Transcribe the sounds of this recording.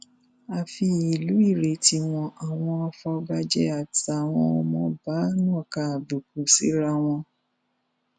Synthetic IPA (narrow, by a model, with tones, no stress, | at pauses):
a˧fi˧i˨lu˨˦i˦˨ɾe˨˦ti˧mɔ̃˧ʔa˨w̃ɔ̃˧ɔ˧fɔ˧ɡa˧d͡ʒɛ̰˧a˨ta˨w̃ɔ̃˧ɔ˧mɔ̃˧ba˨˦nũ˦ɔ˦˨ka˨bu˨k̚u˨sḭ˨˦ɾa˦w̃ɔ̃˧